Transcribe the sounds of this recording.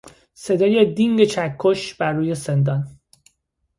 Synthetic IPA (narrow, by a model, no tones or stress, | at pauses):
se̞d̪ɒːjed̪iŋɡet͡ʃʰækʰːoʃb̥æɾːuːjesend̪ɒn